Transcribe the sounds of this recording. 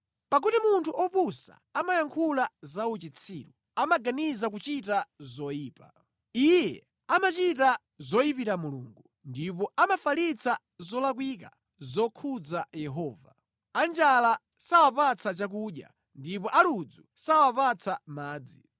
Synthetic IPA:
pak̬utimuntʰuʔɔpusa̰amajaŋkʰulazaut͡ʃit͡sʰḭːɾu | amaɡanizak̬ut͡ʃitazɔjiːpa̰ | ijjɛ | amat͡ʃita | zɔjipiɾamuluŋɡu | ndipɔʔamafalit͡sʰa | zɔlak̬wik̬a̰ | zɔkʰud͡zajɛɦɔːva̰ | and͡ʒala | sawapat͡sʰat͡ʃak̬uːɗja̰ | ndip̬ɔʔalud͡zu | sawapat͡sʰamaːd͡zi

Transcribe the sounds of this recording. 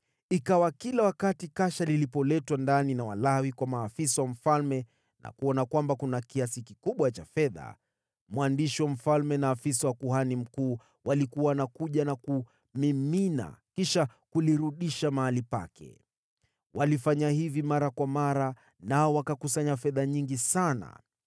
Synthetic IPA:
ikawakilawakatikaʃalilipɔlɛtwandaninawalawikwamaːfisawam̩falmɛ | na̰kuɔnakwambakunakiasikikuɓwat͡ʃafɛða̰ | mwandiʃiwam̩falmɛnaːfisawakuhanim̩kuː | walikuwanakuʄanaku | mimina̰kiʃakuliɾuɗiʃamahalipa̰kɛ̰ | wʔalifaɲahivimaɾakwamaɾa | naɔwakakusaɲafɛðaɲiŋɡisana̰

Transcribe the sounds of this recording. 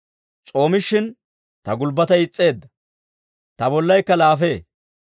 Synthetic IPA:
t͡sʼo̞ːmɪʃːɪn | t̪ɐɡʊlbːɐt̪ɐjɪt͡sʼːe̞ːd̪ːɐ | t̪ɐbɔlːɐjkːɐlaːfe̞ː

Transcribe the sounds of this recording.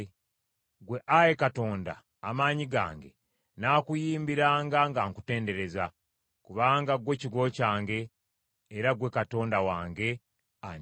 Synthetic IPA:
ɡwe̞ʔajekato̞ːnda̰ː | maːɲiɡa̰ːŋɡe | naːkujiːmbiɾaːŋɡaŋɡaːŋkute̞ːnde̞ɾe̞za | kuβaːŋɡaɡwe̞ciɡo̞caːŋɡe̞ː | ɾaɡwe̞kato̞ːndawaːŋɡe̞ | a

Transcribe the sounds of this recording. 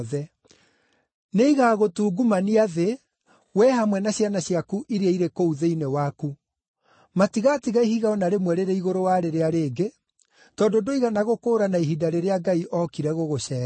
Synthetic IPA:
ðɛ | neiɣaɣotuːɡumaniaðe | wɛhamwɛnaɕjanaɕjakuʔiɾiaiɾekouðeinewaku | matiɣatiɣaiɦiɣaɔnaɾemwɛɾeɾeiɣoɾowaɾeɾeaɾeːɡe | tɔdodoiɣanaɣokoːɾanaiɦidaɾeɾeaɡaiʔɔkiɾɛɣoɣoɕɛːɾ

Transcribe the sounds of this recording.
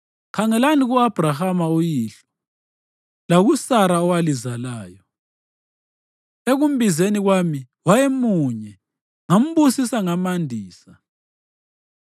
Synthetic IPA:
kʰaŋɛlaniɣuab̥ʱrahamaujiːɬɔ̥ | laɣusaɾaɔwalizalaːjɔ | eɣum̩bʱizeniɣwami | wajemuɲɛ | ŋam̩βusisaŋamandʱiːsa

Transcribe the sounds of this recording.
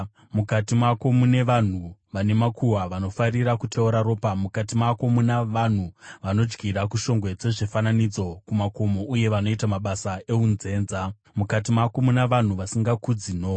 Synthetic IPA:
mukatimako̞mune̞ʋan̤uʋane̞makʰuwaʋano̞fariɾakutʰeuɾaɾo̞ːpamukat̬imako̞munaʋan̤uʋano̞d͡ʒɡiɾakuʃo̞ŋɡwe̞d͡ze̞ʐefananid͡zo̞kumako̞mo̞ʔuje̞ʋano̞itamaɓasae̞unze̞ːnza | mukat̬imako̞munaʋan̤uʋasiŋɡakud͡zin̤o̞

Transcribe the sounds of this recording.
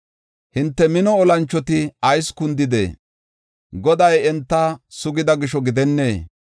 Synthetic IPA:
hɪnt̪ːɛmɪnɔːlɐnt͡ʃːɔt̪ɪɐjskʊnd̪ɪd̪ḛː | ɡɔd̪ɐjɛnt̪ːɐsʊɡɪd̪ɐɡɪʃɔɡɪd̪ɛnːeː

